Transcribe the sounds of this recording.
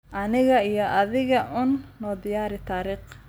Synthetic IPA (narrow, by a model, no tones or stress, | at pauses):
ʔɐnɪɣɐijɔʔɐðɪɣɐʔʊːnːɔːd̪ɪjaːɾɪt̪ʰaːɾiːq